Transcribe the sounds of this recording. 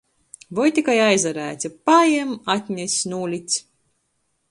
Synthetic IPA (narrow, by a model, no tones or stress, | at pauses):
vɔjt̪ʲikajajzaɾæːt̪ʲipajɛmat̪ʲnʲɛsʲnuːlʲit̪s